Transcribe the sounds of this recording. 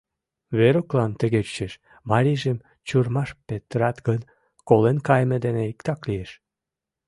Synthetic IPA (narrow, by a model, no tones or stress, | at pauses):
βeɾoklɑnt̪ə̆ɣet͡ɕeʃ | mɑɾʲiʒem | t͡ɕurmɑʃpet̪ɾɑt̪ɡən | kolenkɑjmed̪eneikt̪ɑklieʃ